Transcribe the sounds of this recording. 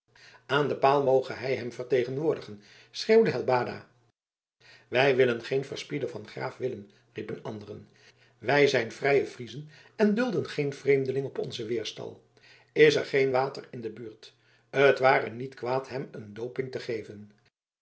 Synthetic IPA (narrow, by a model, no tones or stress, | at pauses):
aːndəpaːlˠmowχəɦɛjɦɛmvəɹtejχənʋʊːɹdəχən | srewdəɦɛlˠbaːda̰ː | ʋɛjʋɪlənχejnvəɹspidəvɑnχra̰ːfʋɪlən | ripənɑ̰ndərə̰n | ʋɛjzɛjnvrɛjəv̥rizən | ɛndɵlˠdənχejnv̥rejmdəlɪŋɔpɔ̰nzəʋɪːɹstɑ̰lˠ | ɪsɛɹχejnʋaːtərɪndəbyːɹt | ətʋaːrənitkʋaːtɦɛməndowpɪŋtəχejvən